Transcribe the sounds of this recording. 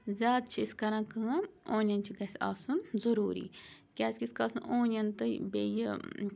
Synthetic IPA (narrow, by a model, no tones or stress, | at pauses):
zʲaːd̪̚t͡ʃʰisʲkɐɾãːkɨoːnʲɐnt͡ʃʰiɡɐsʲa̰ːsunzɐɾuːɾḭːkʲaːsʲkʲisʲkasɨnʔoːnɐnt̪ɨbej